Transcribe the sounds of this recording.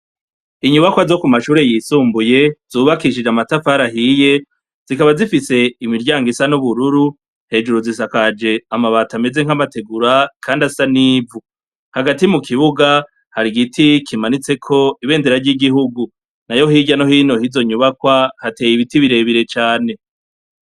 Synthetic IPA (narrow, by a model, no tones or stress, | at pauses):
iɲuβakwazo̞kumaʃuːɾe̞jisuːmbuje̞z̥uːβakiʃid͡ʒamatafaɾaɦiːje̞ | z̥ikaβazifise̞imiɾɟaːŋɡisanuβuɾuɾu | he̞ːd͡ʒuɾuzisakad͡ʒe̞amaβatame̞ze̞ŋ̥hamate̞ɡuɾakʰaːndasaniːvu | haɡatimukʰiβuɡa | haɾiɡitʰikʰimanit͡se̞kʰo̞iβe̞ːndeɾaɾɟiɡiɦuɡu | najo̞hiːɟano̞hiːno̞hizo̞ɲuβakwahate̞ːjiβitiβiɾe̞βiɾe̞t͡ʃaːne̞